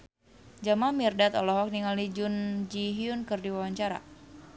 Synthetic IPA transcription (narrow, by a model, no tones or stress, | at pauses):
d͡ʒamamirdat̪ɔlɔɦɔk̚niŋalid͡ʒund͡ʒiɦiunkɨrdiwawaɲt͡ʃaɾa̰